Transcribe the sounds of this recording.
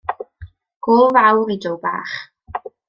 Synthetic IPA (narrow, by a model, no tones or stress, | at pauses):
ɡ̥ʊlˠvawɾidowba̰ːχ